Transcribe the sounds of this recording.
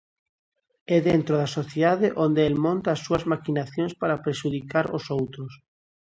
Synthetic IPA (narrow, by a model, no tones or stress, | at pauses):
ɛðent̪ɾoðasoθjeðaðɪʔond̪eɛlmõnt̪aːsːuɐzmakinaθjoŋspaɾapɾeʃuðikaɾosowt̪ɾʊs